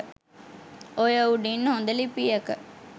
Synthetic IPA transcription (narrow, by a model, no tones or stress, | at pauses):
ojɐuɖinːõnd̪ɐlipijɐkə